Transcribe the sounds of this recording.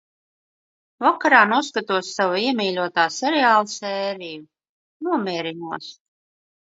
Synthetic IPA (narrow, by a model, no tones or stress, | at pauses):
vakaɾaːnuɔskat̪uɔsːavaiɛmiːlʲuɔt̪aːsɛɾɛaːlˠasɛːɾiju | nuɔmʲiɛɾinuɔs